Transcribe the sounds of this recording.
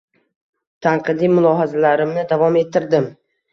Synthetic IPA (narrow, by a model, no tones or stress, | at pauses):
t̪ʰanqʰɨd̪ijmʊlˠɒɦazalaɾɪmnɪd̪avɒme̞t̪ʰːɪɾd̪ɪm